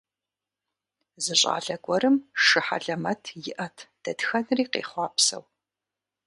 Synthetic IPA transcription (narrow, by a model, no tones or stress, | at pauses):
zɨɕʼa̰ːɮɐɡʷʼɔrɨmʂɨħa̰ɮɐmɐtʰjɪʔɐtʰd̥ɐdxɐnriːqḛːχʷɑːpsɐ̰w